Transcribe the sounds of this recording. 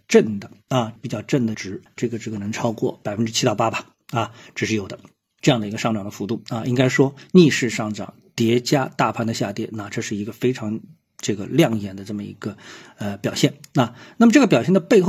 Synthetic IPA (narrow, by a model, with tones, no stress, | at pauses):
ʈ͡ʂə˥˩nd̪ə˩a˧pi˨˩t͡ɕjɑ˥˧ʊʈ͡ʂə˥˩nd̪ə˩ʈ͡ʂɻ̩˨˩ʈ͡ʂɤ˥˩ɡə˩ʈ͡ʂɤ˥˩ɡə˩nɤ˧˥ŋʈ͡ʂʰɑ˥ʊkwɔ˥˩pa˨˩ɪfə˥nʈ͡ʂɻ̩˥t͡ɕʰi˥t̪ɑ˥˩ʊpa˥ba˨˧˩ | a˥˧ʈ͡ʂ̩˨˩ʂɻ̩˥˩jo˨˩ʊd̪ə˦ | ʈ͡ʂɤ˥˧jɑ˥˩ŋd̪ə˩i˧ɡə˧ʂɑ˥˩ŋʈ͡ʂɑ˨˩ŋd̪ə˦fu˧˥t̪u˥˩a˥˧ʔi˥ŋka˥ɪʂwɔ˥ni˥˧ʂɻ̩˥˧ʂɑ˥˩ŋʈ͡ʂɑ̰˨˩˦ŋt̪jɛ˧˥t͡ɕja˥t̪a˥˧pʰa˥nd̪ə˩ɕja˥˧t̪jɛ˥˩nna˥˧ʈ͡ʂɤ˥˧ʂɻ̩˥˩i˧˥ɡə˧fe˥ɪʈ͡ʂʰɑ˧˥ŋ | ʈ͡ʂɤ˥˩ɡə̰˩ljɑ˥˩ŋjɛ˧˥nd̪ə˧ʈ͡ʂɤ˥˩mə˩ḭ˧˥ɡə˧ə˧pjɑ˨˩ʊɕjɛ˥˩nna˥˧na˥˩mə˩ʈ͡ʂɤ˥˩ɡə˩pjɑ˨˩ʊɕjɛ˥˩nd̪ə˩pe˥˧ɪxo˥˩